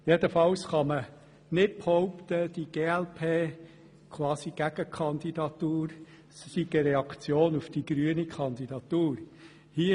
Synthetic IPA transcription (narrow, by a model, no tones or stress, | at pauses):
jed̪əfɑwsχɑmə | nɪt̚phɔʊpt̪əd̥iɡ̥eːɛlpʰeː | kʰwɑːsiɡ̥æɡ̥əkʰɑnd̪idɑt̪uːɾ | ssiɡ̥əɾɛɑkt͡sjoːnufd̥iɡ̥ɾyənikʰɑnd̪id̥ɑt̪uːɾ | hiə